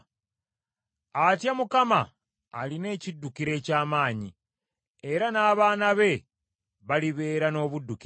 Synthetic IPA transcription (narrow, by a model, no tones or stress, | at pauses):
atjamukamaː | line̞ːcidːukiɾe̞ːcaːmaːɲi | eɾanaːβaːnaβe̞ | βaliβe̞ːɾano̞ːβudːuk